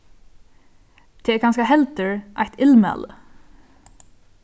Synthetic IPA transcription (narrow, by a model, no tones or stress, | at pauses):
t̪ʰɛɛkʰɑnskahɛlt̪əɹʔa̰jht̪ʰɪlmɛ̰lə̰